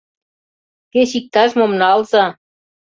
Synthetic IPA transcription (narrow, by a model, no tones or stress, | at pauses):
keɕik̚t̪ɑʃmomnɑlzɑ